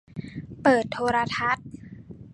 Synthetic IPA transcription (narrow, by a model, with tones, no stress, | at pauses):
pɤː˨˩t̪ʰːoː˧ɾa˧t̪ʰa˦˥t̪̚